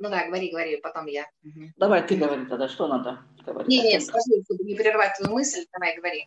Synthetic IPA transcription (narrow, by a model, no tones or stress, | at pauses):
nud̪aɡəvɐɾʲiɡəvɐɾʲipɐt̪o̞mjad̪ɐvajt̪ɨɡəvɐɾʲit̪ɐd̪aʂt̪onad̪ə | ɡ̥əvɐ̰ɾʲinʲenʲet̪skɐʐɨst̪obənʲɪpʲɪɾʲɪrvat̚ʲsvɐjumɨsʲlʲd̪ɐvajɡəvɐɾʲi